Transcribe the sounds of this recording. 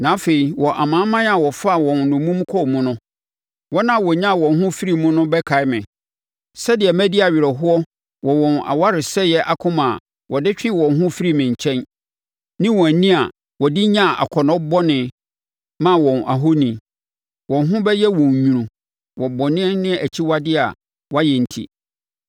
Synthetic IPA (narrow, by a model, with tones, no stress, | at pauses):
nã˨˦fe˨i˨wɔ˨ʔa˨mãː˨˦mã˦n˦a˨wɔ˨fa˦˨wɔ̃˨nnʊ̃˨mũ˦m˦kʰɔ˦˨mũ˦nʊ̃˦ | wɔ˦nã˦˨wɔ˨ɲã˦˨wɔ̃˨nɦʊ̃˦fi˦ɾi˨mʊ̃˦nʊ̃˦bɛ˦kʰa˨ɪ˦mɪ̃˨ | sɛ˦dɪ˨ɛ˨mæ̃˦di˦a˨ɥɪ˨ɾɛ˨ɦʊ˦ɔ˦ | wʔɔ˨wɔ̃˨na̰˨wa˦ɾɪ˨sɛ˦jɛ˦ʔa˨kʰʊ̃˦mã˨ | wɔ˨dɪ˦t͡ɕᶣɪ˦wɔ̃˨nɦʊ̃˦fi˦ɾi˦mɪ̃˨ɲ̩˨t͡ɕʰɛ̃˦n | nɪ̃˦wɔ̃˨æ˨nĩ˦a˨ | wɔ˨dɪ˦ɲã˦˨ʔa̰˨kʰɔ˨nɔ̃˦bɔ˦nɪ̃˨ | mã˦wɔ̃˨na̰˨ɦo˦nĩ˨ | wɔ̃˨nɦʊ̃˦bɛ˦jɛ˦wɔ̃˨ɲ˨ɲũ˨ɾũ˨ | wɔ˨bɔ˨nɪ̃˦ɛ˦nɪ̃˦æ˨t͡ɕʰi˦wa˦dɪ˦a̰˨ | wa˦jɛ˨n̩˨tʰḭ˦